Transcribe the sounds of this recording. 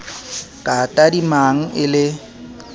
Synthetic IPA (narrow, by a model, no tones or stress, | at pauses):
kʼatʼadimaŋ̩ʔɪlɪ